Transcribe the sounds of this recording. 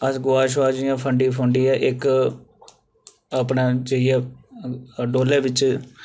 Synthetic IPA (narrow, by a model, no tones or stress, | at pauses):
əsɡʊaːʃ̬ʋaːd͡ʒɪjãːpʰəɳɖĩːpʰəɳɖiɛːʔɪk | əpneːd͡ʒəiɛː | ɖoːlɛːʋɪt͡ʃ